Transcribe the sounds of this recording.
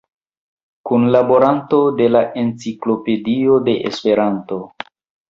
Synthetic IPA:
kunlabo̞ɾanto̞de̞laʔe̞nt͡siklo̞pe̞dio̞de̞ʔḛspe̞ɾanto

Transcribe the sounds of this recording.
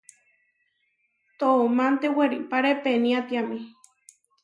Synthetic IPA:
t̪oomant̪eweɾipaɾepeniat̪iami

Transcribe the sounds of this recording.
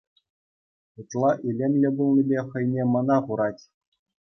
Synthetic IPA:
ut̪lˠɑʔilʲemʲlʲɘ̆bulˠnʲibʲeχɤ̆jnʲemɤ̆nɑχuɾɑtʲ

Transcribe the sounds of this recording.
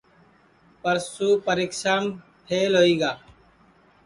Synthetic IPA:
pəɾsuːpəɾeːksaːm | pʰeːlɦoːiːɡaː

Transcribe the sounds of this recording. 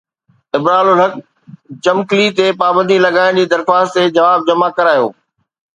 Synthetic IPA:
ɪbɾaːlolɦɐk | t͡ɕɐmklit̪epaːbə̃nd̪ʱilɐɡaːɪɽ̃d͡ʑiːd̪ɐɾxaːst̪t̪ed͡ʑɐʋaːb̚d͡ʑɐmakɐɾaːjo̰ː

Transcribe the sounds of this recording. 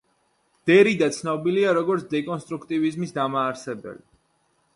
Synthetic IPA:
d̪̥ɛɾid̪at̪sʰnɔbiliaɾɔɡɔɾt̪sʰd̪ɛkʼɔnst̪ʼɾukʰt̪ʼivizmisd̪amaːɾsɛbɛ̰li

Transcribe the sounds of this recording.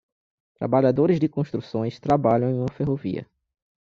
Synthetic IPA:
t̪ɾa̰baʎad̪oɾɪzdɪkõʃt̪ɾusõj̃st̪ɾabaʎɐ̃w̃ẽũmɐfeɦovḭɐ̰

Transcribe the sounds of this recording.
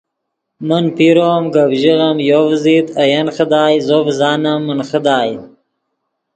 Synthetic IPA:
mənpiɾoːmɡabʒiɣamjovzit̪ajɐnxəd̪ɑːjzoːbzɑːnamːənxəd̪ɑːj

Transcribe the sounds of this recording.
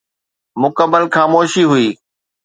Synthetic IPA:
mʊkəbəlxaːmoːʃiɦʊiː

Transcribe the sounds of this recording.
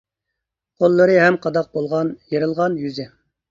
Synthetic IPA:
qʰolˠːɨɾɨɦɛmqʰɑd̪ɑq̚bolˠʁɑnjeɾɨlˠʁɑnjyzɪ

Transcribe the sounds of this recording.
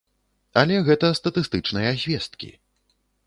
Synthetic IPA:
ɐlʲɛɣɛt̪ɐst̪ɐt̪ɨst̪ɨt͡ʂnɨjɐzʲvʲɛst̪kʲḭ

